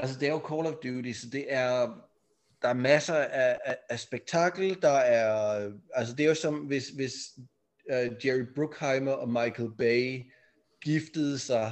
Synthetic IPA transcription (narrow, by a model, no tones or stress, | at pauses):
æls̬əd̥e̝æɐjo̝kʰɒːlɒfd̥uːɾisɒ̽d̥e̝ʔæɐ | d̥ɑ̈æɐmæsɐæææsb̥eɡ̥̚t͡sʰɑ̈ɡ̥l̩d̥ɑ̈æɐæls̬əd̥e̝æɐjosɒ̽mʋe̝sʋe̝s | ød̥jeʁib̥ʁuɡ̥hɑ̈ɪmɐʔɒ̽mɑ̈ɪkʰl̩b̥eɪ | ɡ̥ifd̥əð̞̩ˠsɑ̈ɪ